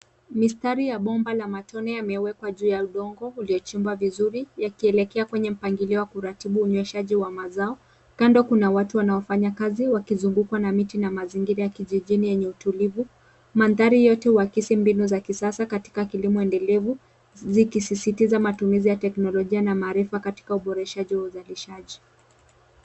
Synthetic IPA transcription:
mistaɾijaɓɔmbalamatʰɔnɛjamɛwɛkwaʄuːjauɗɔŋɡɔuliɔt͡ʃimbavizuɾijakiɛlɛkɛakwɛɲɛm̩paŋɡiliɔwakuɾatiɓuːɲwɛʃaʄiwamazaɔ | kandɔkunawatuwanaɔfaɲakaziwakizuŋɡukwanamitinamaziŋɡiɾajakiʄiʄinijɛɲɛutulivu | manðaɾijɔtɛuwakisimbinuzakisasakati̥kakilimɔɛndɛlɛvu | zikisisitizamatumizijatɛknɔlɔʄianamaːɾifakati̥kauɓɔɾɛʃaʄiwauzaliʃaʄi

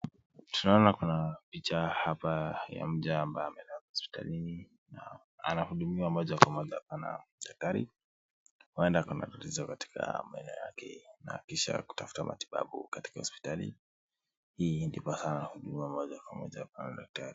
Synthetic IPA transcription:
tunaɔnakunapit͡ʃahapaja̰m̩ʄaːmbajɔamɛnɛwakhɔspi̥ta̰lin | na | a̰nahuɗumiwamɔʄakwamɔʄaapana̰ɗak̚taɾḭ | huɛndakuna̰ɗulizakati̥kʰa̰maɛnɛɔja̰kɛnakiʃa̰ku̥tafu̥tamʔa̰ti̥ɓa̰ɓṵkati̥kahɔspi̥talḭ | hiːndipasanahuɗumiwamɔʄakwamɔ̰ʄapanaɗak̚tʰaɾi

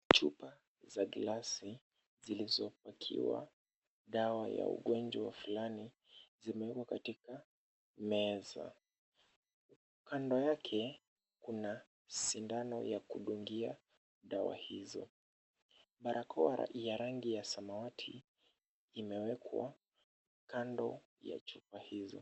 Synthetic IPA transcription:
t͡ʃupa | zaɡlasi | zilizɔpakʰḭwa̰ | ɗawaja̰ṵɠɔnd͡ʒwafulani | zimɛwɛkwakatika | mɛza̰ | u | kandɔjakʰɛ | kuna | sindanɔjakuɗuŋɡia | ɗawa̰hizɔ̰ | ɓaɾʔakʰɔwaɾa̰ijaɾaŋɡijasamawatʰiː | mɛwɛkʰwa̰ | kandɔ | ja̰t͡ʃupahizɔ̰

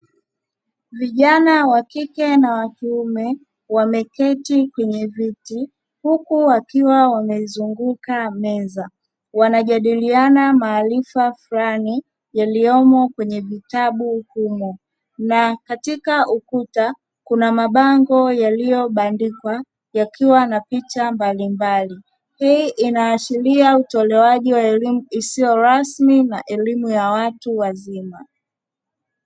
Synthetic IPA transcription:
viʄanawakikɛnawatuumɛ | wamɛkɛtikwɛɲɛviti | hukuwakiwawamɛzuŋɡukamɛza | wanaʄaɗilianamaːlifafulani | jaliɔmɔkwɛɲɛvitaɓuhumɔ | nakatikaʔukuta | kunamaɓaŋɡɔjalijɔɓandikwa | jakʰiwanapit͡ʃambalimbali | hiːʔinaːʃiliautɔlɛwaʄiwalimisijɔɾasminaʔɛlimujawatuwazima

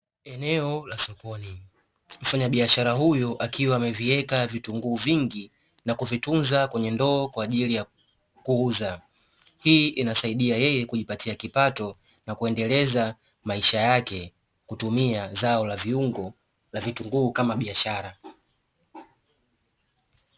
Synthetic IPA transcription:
ɛnɛɔlasɔkɔni | m̩faɲaɓiaʃaɾaɦujɔʔakiwaːmɛviɛkavituŋɡuːviŋɡi | nakuvitunzakwɛɲɛndɔːkwaːʄilija | kuuza | hiːʔinasaiɗiajɛjɛkuʄipatiakipatɔ | nakuɛndɛlɛza | maiʃajakɛ | kutumiazaɔlaviuŋɡɔ | lavituŋɡuːkamaɓiaʃaɾa

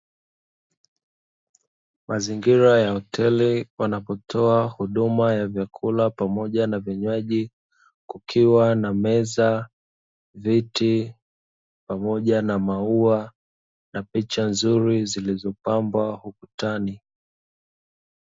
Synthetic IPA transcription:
mʔaziŋɡiɾajahɔtʰɛliwanapɔtʰɔahuɗumajavjakʰulapamɔʄanavjaɲwaʄi | kukʰiwanamɛza | viti | pamɔʄanamaua | napit͡ʃanzuɾizilizɔpambwahukutani

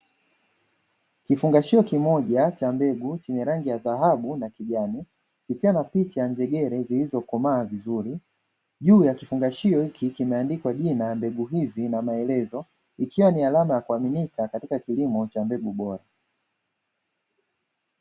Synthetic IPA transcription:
kifuŋɡaʃiɔkimɔʄat͡ʃambɛɡut͡ʃɛɲɛɾaŋɡijaðaɦaɓunakiʄani | kikiwanapit͡ʃajaɲd͡ʒɛɠɛɾɛzilizɔkɔmaːvizuɾi | ʄuːjakifuŋɡaʃiɔhikikimɛandikwaʄinambɛɡuɦizinamaɛlɛzɔ | ikiwanialamajakuaminikakatikakilimɔt͡ʃambɛɡuɓɔɾa

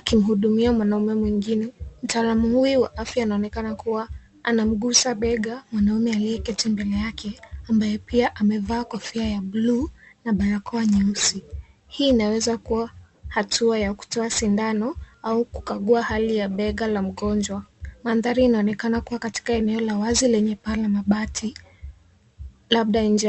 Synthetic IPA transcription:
akim̩ɦuɗumiamwanaumɛmwiŋɡinɛm̩taːlamuhuiwaʔafjainaɔnɛkanakuwa | anam̩ɡusaɓɛɠamwanaumɛaliɛkɛtɛmbɛlɛjakʰɛambajɛpiaʔamɛvaːkwafiajablunaɓaɾakɔaɲɛusi | hiːnawɛzakuwahatʰuajaku̥tɔasindanɔauku̥kaɠuahalijaɓɛɠalam̩ɠɔnd͡ʒwamanðaɾiːnaɔnɛkanakuwakati̥kaɛnɛɔlawazilɛɲɛpalamaɓatʰi | laɓ̚ɗaind͡ʒ

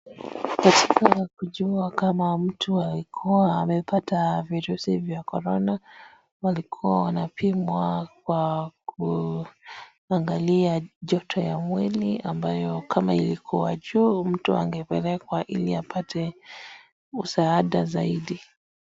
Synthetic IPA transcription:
katikakuʄuakamam̩tualikʰuaːmɛpataviɾusivjakɔɾɔna | walikʰuwawanapʰimwakwak̚ʰu | aŋɡaliaʄɔtʰɔjamwiliambajɔkʰamailikʰuaʄuːm̩tua̰ŋɡɛpɛlɛkwaʔiliapʰatʰɛ | usaːɗazaiɗi

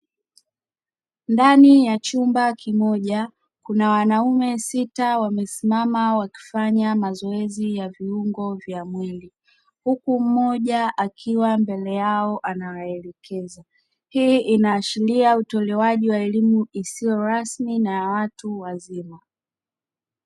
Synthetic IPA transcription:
ndanijat͡ʃumbakimɔʄa | kunawanaumɛsitawamɛsimamawaki̥faɲamazɔɛzijaviuŋɡɔvjamwili | hukum̩mːɔʄaʔakʰiwambɛlɛjaɔʔanawaɛlɛkʰɛza | hiːʔinaːʃiliautɔlɛwaʄiwaɛlimuisijɔɾasminajawatuwazima

